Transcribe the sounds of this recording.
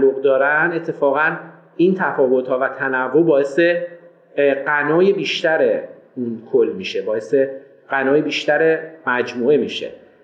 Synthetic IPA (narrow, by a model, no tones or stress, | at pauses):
lːoɣd̪ɒːɾænd̪e̞t̪ʰːe̞fɒːɣæn | iːnt̪ʰæfɒːvo̞t̪hɒːvæt̪ʰænævːobɒːe̞se | ɢænɒːjebiːʃt̪æɾe | unkʰolːmiʃebɒːe̞se | ɢ̥ænɒːjebiːʃt̪æɾe̞mæd͡ʒmuːe̞miːʃḛ